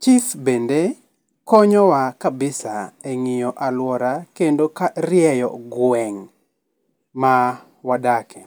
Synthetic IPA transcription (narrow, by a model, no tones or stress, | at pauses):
t͡ʃifbende | kɔɲɔwakabɪsaeŋijɔʔalwɔɾakendokaɾɪjɛjɔ̰ɡwɛŋ | ma | wadakʰɛ